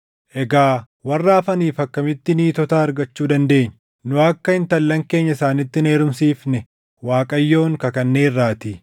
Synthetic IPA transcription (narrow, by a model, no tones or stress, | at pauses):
ʔɛɡaː | wɐrːaːfɐniːfɐkːɐmɪt̪ːɪniːt̪ɔt̪aːɐɾɡɐt͡ʃːuːd̪ɐnd̪e̞ːɲː | nʊɐkːɐɪnt̪ɐlːɐŋke̞ːɲːɐɪsaːnɪt̪ːɪneːɾʊmsiːfnɛ | waːkʼɐjːo̞ːŋkɐkɐnːe̞ːrːaːt̪ɪ